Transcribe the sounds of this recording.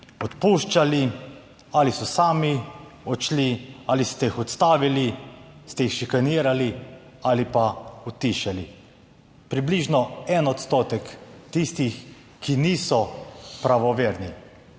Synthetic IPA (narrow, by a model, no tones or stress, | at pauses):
ɔt̪puʃt͡ʃali | alisɔsaːmiɔt͡ʃlialist̪ɛixɔt̪st̪aːʋilist̪ɛixʃikaniːɾali | alipaut̪iʃali | pɾibliʒnɔɛnɔt̪st̪oːt̪ɛkt̪ist̪ix | kiniːsɔpɾaʋɔʋeːɾni